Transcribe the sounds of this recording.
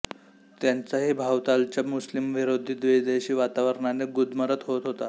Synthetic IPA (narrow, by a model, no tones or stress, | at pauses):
t̪jant͡saɦibʱawt̪alt͡ɕjamuslimʋiɾod̪ʱiːt̪d̪ʋed̪eɕiːʋat̪aʋəɾɳaneɡud̪məɾət̪ɦot̪ɦot̪a